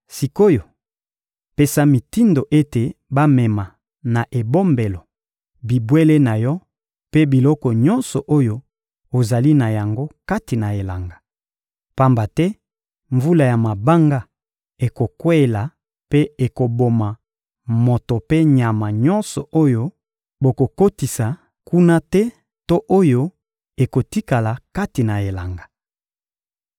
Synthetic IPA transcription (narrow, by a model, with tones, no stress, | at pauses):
si˨ko˦jo˨ | pe˦˨sa˦mi˨ti˦ndo˨ʔe˦te˨ba˦mɛ˨ma˨ | na˨ʔe˨bo˦mbe˨lɔ˨ | bi˨bwe˦le˦na˨jɔ˦ | pe˦bi˨lɔ˦kɔ˨ɲɔ̃˦nsɔ˨ʔo˦jo˦ | o˨za˨li˦na˨ja˨ŋɡo˦ka˦ti˨na˨e˨la˨ŋɡa˨ | pa˦mba˨tɛ˦ | ɱvu˦la˨ja˨ma˨ba˦ŋɡa˦ | e˨ko˨kwe˦˨la˨ | pe˦e˨ko˨bo˨ma˨ | mo˨to˨pe˦ɲa˨ma˨ɲɔ̃˦nsɔ˨ʔo˦jo˦ | bo˨ko˨ko˦ti˨sa˨ | ku˦na˦tɛ˦ | to˦ʔo˦jo˦ | e˨ko˨ti˦ka˨la˨ka˦ti˨na˨e˨la˨ŋɡa˨